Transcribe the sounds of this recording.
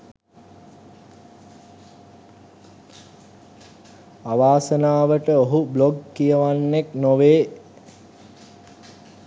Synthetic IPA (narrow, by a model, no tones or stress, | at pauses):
aʋaːsənaːʋəʈəoɦubloɡkijəʋanːeknoʋeː